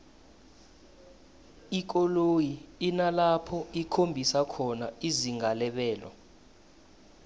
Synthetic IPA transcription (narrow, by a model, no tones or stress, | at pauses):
ik̬ɔlojiinalapʰɔikʰombʱisakʰɔnaiziŋalɛɓɛːlɔ̰